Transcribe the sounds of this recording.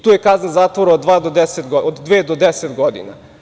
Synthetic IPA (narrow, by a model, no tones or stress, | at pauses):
t̪uːjekaznazaːt̪ʋoɾaod̪ːʋaːd̪od̪eset̪ɡood̪ːʋeːd̪od̪eset̪ɡod̪ḭna̰